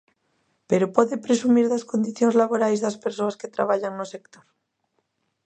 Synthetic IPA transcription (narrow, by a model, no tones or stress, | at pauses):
peɾopoðepɾesumiɾðaskond̪iθjoŋzlaβoɾajzðaspeɾsoasket̪ɾaβ̞aʎaŋnosekt̪oɾ